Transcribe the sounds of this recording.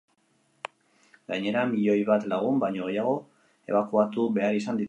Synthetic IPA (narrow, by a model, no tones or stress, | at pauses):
ɡaɲe̞ɾamiʎo̞jβat̪laɣ̞umbajɲo̞ɣe̞jaɣ̞o̞ | e̞̰βakuat̪uβe̞aɾisand̪it